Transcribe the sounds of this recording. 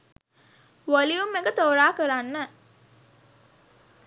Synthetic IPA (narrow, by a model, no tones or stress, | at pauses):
ʋoliumeɡət̪oːɾaːkəɾanːə